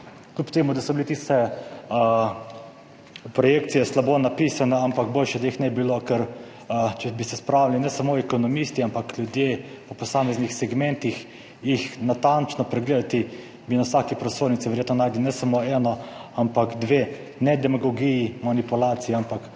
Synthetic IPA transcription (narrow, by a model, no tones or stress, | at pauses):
klʲupt̪eːmud̪asɔbilit̪ist̪ɛ | pɾɔjekt̪sijɛslabonapisanɛampaɡboːlʃɛd̪aixnɛbilokɛɾ | t͡ʃɛbisɛspɾawlilinɛsamoɛkɔnɔmist̪iampakljud̪je | pɔpɔsaːmɛznixsɛɡmɛnt̪ix | jixnat̪ant͡ʃnɔpɾɛɡleːd̪at̪i | binawsakipɾɔsoːɾnit̪siʋɛɾjeːt̪nɔnaːjd̪linɛsamoɛːnɔampakd̪ʋe | nɛd̪ɛmaɡɔɡijimanipulaːt̪sijɛampak